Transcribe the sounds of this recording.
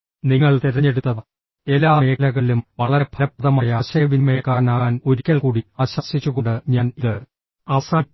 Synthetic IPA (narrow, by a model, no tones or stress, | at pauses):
niŋːɐɭt̪iɾɐɲːe̞ɽut̪ːɐð | e̞lːaːmeːlɐɣɐɭilumʋɐɭɐɾɐpʰɐɾɐpːɐðɐmaːjɐɐɕɐjɐʋinmeːkaːnaːno̞ɾikʲːɐɭkuːɽiɐɕɐsit͡ɕːuɣo̞ɳɖɨɲaːniðɨ | ɐsaː